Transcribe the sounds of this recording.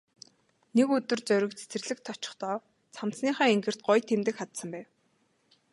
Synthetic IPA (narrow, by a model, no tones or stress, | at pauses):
nekɵt̪ɵ̆rt͡sœɾʲɪ̆kt͡sʰe̥t͡sɘ̆rɮɘ̆k̚t̪ʰːɔt͡ɕɪ̥̆χt̪ɔː | t͡sʰamt͡sniːχœːeŋɡɘ̆r̥t̪̚ɢʊjt̪ʰːemt̪ɘ̆kχat̪sə̆mpæːw